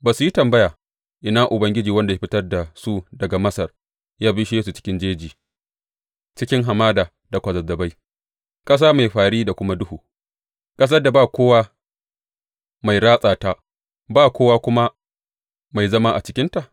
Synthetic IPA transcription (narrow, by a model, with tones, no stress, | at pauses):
baː˨su˨ji˦tɐ˨mbɐ˦jaː˨ | ʔɪ˨naː˦ʔʊ˨bɐ˦ŋɡʲɪ˦d͡ʒiː˨wɐ˦nda˨je˦ɸɪ˦tɐ˦rda˨su˦dɐ˨ɡa˨mɐ˦sɐ˨r | jaː˦bɪ˦ʃje˦su˨t͡ʃɪ̥˦kʲɪ˦nd͡ʒeː˦d͡ʒiː˨ | t͡ʃɪ˦kʲɪ˦ŋɦa˨maː˦daː˨ | da˨kʷɐ˨zɐ˨dɐ˨ba˦j | kʼɐ˦s̬aː˦ma˨jɸaː˨ɽiː˦da˨kʷʊ˦ma˦dʊ˦huː˨ | kʼɐ˦s̬ɐ˦rda˨baː˦˨kʷoː˦waː˦ | ma˨jɽaː˦sʼaː˨ta˦ | baː˦kʷoː˦waː˦kʷʊ˦ma˦ | ma˨jzɐ˦maː˦ʔa̰˨t͡ʃɪ˦kʲɪ˦nta˨ʔ